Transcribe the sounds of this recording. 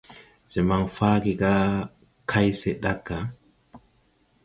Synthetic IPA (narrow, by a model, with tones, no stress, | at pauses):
sɛ˨ma˨ŋfaː˦ɡi˨ɡa˦ | kʰa˦jsɛ˨ɗa˦kːa˨